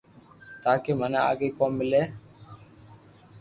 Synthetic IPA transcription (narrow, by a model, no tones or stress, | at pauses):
t̪aːkemənaa̰ɡekɔmːɪle